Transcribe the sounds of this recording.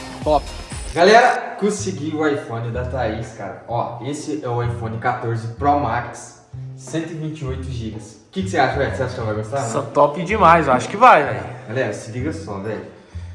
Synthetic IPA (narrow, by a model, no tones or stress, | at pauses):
t̪ɔpɪ̥ | ɡalɛɾɐkõsɪɡiʊajfõnɪd̪ɐt̪aiska̰ɾɐ̰ɔesɪʔɛʊajfõnɪkat̪oɾzɪpɾɔmaksː | ẽnt̪ʊɪvĩnt͡ʃɪojt̪ʊʒiɡɐs | kɪkɪ̥seaʃɐɛseaʃʊkɛ̃vajɡost̪asɐ̃t̪ɔpid͡ʒɪmajzewaʃʊ̥kɪvajvɛ̰jɡalɛɾɐsɪviɡɐsɔvɛ